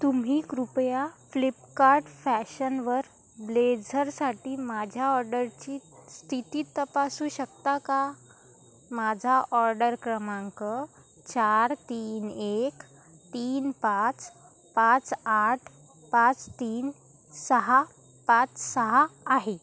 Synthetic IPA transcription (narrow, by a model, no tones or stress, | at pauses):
t̪um̤iːkɾupjaflipkaɾʈfæɕənʋəɾ | bled͡zʱəɾsaʈiːmad͡ʑʱjaɔɾɖəɾt͡ɕiːst̪ʰit̪iːt̪əpasuːɕək̚t̪aka | mad͡zʱaʔɔɾɖəɾkɾəmãŋkə | t͡ɕaɾt̪iːnek | t̪iːnpat͡s | pãt͡saʈʰ | pãt͡st̪iːn | səɦa | pat͡ssəɦaːɦe